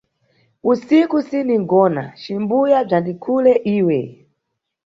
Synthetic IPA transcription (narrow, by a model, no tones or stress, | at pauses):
usikusiniŋɡɔna̰t͡ʃimbujab͡ʐandikʰulɛʔiːwɛ